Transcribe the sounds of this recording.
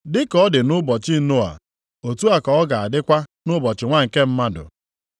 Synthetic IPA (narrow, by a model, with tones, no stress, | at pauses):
dɪ˦kɔ˦dɪ˨nʊ˦bɔ˨t͡ʃɪ˦no˦a̰˨ | o˨tu˦a˨kɔ˨ɔ˦ɡa˨a˨dɪ˦kʷa˦nʊ˦bɔ˨t͡ʃɪ˨ŋʷa˦˨ŋ̩˨ke˦m̩˦ma˦dʊ̰˨